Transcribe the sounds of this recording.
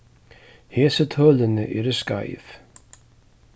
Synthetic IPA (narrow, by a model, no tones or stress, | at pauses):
hɛːsɪt̪ʰœːlɪnɪʔɛɾʏska̰ːjθ